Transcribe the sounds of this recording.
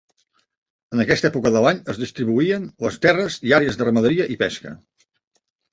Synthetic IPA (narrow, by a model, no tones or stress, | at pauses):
ənəkɛst̪ɛpukəðəlaɲəzðist̪ɾiβuiənləst̪ɛrəziaɾeəzðərəməðəɾiəʔipɛskə̰